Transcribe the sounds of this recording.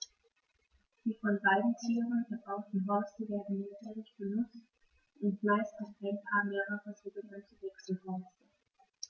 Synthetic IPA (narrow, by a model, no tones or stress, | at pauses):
d̥iːfɔnbaɪdn̩tʰiːʁənfɛɐbaʊtn̩ɦɔɐstəveːɐdn̩netʰɛlɪçb̥ənʊt͡st | ʊntb̥laɪstɪç̥ɛnpʰaːmeːʁəʁəzoːɡənantʰəvɛksl̩hɔɐstə